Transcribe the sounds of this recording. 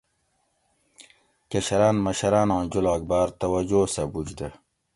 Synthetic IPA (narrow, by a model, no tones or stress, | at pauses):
kɐɕɐɾaːnmɐɕɐɾaːnɑ̃ːd͡ʑulaːɡ̚baːɾt̪ɐwɐd͡ʑoːsɐbud͡ʑd̪ə